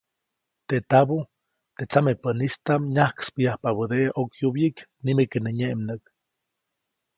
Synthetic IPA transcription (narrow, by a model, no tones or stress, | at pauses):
t̪eʔt̪abo | t̪et͡samepənist̪amɲahkspijahpaβəd̪eʔʔokjubjiknimekeneɲeʔmnək